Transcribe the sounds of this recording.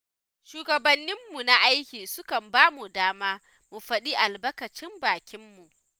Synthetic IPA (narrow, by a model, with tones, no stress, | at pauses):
ʃuː˦ɡɐ˨bɐ˦nːɪ˦mːu˨na˦ʔa˦jkʲiː˨sʊ˦kɐ˨mbaː˦mu˨daː˦maː˦ | mu˨ɸɐ˦ɗi˦ʔa˨lbɐ˦kɐ˨t͡ʃɪ˦mbaː˨kʲɪ˦mːu˨ʔ